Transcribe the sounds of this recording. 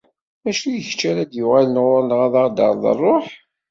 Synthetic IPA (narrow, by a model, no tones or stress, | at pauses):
æʃljəçt͡ʃːæɾæd̪jʊʁalənʁʊɾˤnʁaðɑɾd̪ɑ̰ɾˤðˤə̰rˤːoħ